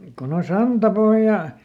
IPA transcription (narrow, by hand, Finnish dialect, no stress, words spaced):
kon o sɑntɑpohjɑ